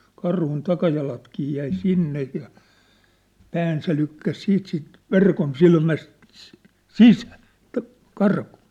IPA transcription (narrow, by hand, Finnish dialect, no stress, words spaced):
kɑrhun tɑkɑjɑlɑtkiː jæi sinːej jɑ pæːn se lykːæs siːt siˑnt ʋerkonsilmæst sisæ̥ː t̆æ̆ kɑrku̥ː